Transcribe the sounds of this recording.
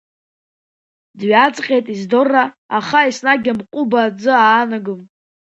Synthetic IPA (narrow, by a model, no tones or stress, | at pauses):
dɥat͡sʼqʲʼejtʼizdo̞rːaː | χaisnaɡʲamqʷʼubad͡zɨaːnaɡɨm